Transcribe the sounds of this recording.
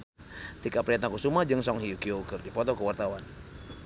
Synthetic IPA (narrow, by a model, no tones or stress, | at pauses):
t̪ikaʔpɾiat̪aŋkusumahd͡ʒɨŋsɔŋɦiukiokərdipɔt̪ɔkəwart̪awan